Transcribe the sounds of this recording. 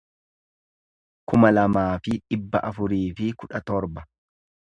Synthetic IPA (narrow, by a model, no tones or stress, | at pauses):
kʊmɐlɐmaːfɪᶑɪbːɐʔɐfʊɾiːfɪkʊᶑɐt̪ɔɾbɐ